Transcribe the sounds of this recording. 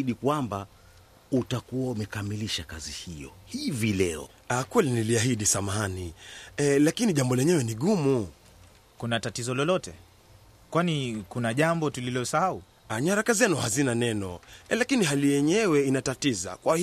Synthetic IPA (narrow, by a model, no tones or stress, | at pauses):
iɗikwamba | utakuwaumɛkamiliʃakazihijɔ̰hivilɛɔ̰ | akwɛliniliaɦiɗisamani | lakiniʄambɔlɛɲɛwɛniɠumu | kunatatizɔlɔlɔtɛ̰ | kwanikunaʄambɔtulilɔsahau | aɲaɾakazɛnuhazinanɛnɔlakiniɦalijɛɲɛwɛinatatiza̰kwahi